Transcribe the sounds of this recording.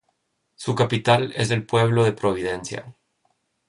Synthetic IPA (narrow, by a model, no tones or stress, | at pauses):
sukapit̪ale̞̰zðe̞lpwe̞β̞lo̞ð̞e̞pɾo̞β̞iðe̞nsja̰